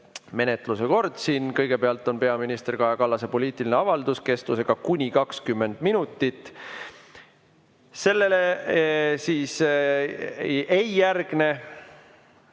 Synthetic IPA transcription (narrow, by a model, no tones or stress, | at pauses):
me̞ne̞t̪ˑluse̞ko̞rd̪̥siːnkɤjɡ̥e̞pe̞ɑlt̪ːˑo̞npe̞ɑminist̪e̞rkɑjɑkɑlːɑse̞po̞liːt̪ˑilineɑvɑld̪̥uske̞st̪use̞ɡ̥ɑkunʲikɑkskymːe̞nd̪̥minut̪ːˑit̪ːˑ | se̞lːe̞le | siːs | ejjærɡ̥ne̞